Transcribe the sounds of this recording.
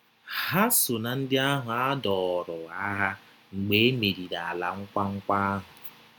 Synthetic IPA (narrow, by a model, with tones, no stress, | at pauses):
ha˦sʊ˨na˨n̩˦dɪ˦a˦ɦʊ˨a˦dɔ˨ɾʊ˨a˦ɦa˦ | ŋ͡m̩˨ɡ͡be˦e˦me˨ɾi˨na˨a˨la̰˨ŋ̩˦kʷa˦ŋ̩˦kʷa˦ɦʊ˨